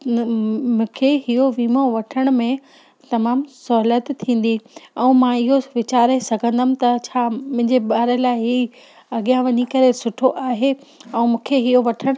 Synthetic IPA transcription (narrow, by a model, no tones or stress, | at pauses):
mũːkʰeɦiɦoʋiːmoʋɐʈʰəɽ̃mẽ | t̪ɐmaːmsɐɦlət̪t̪ʰĩːn̆d̪iɛ̃ːmãɪɦoʋɪt͡ɕaːɾesɐɡʱə̃nd̪əmɪ̃̆t̪ɐt͡ɕʰaːmʊ̃ɦɪ̃ɲd͡ʑeɓaːɾəlaːɪɦi | ɐɠijãʋɐɲikɐɾesʊʈʰoʔaːɦe | ɛ̃ːmũːkʰeɦiɦoʋɐʈʰəɽ̃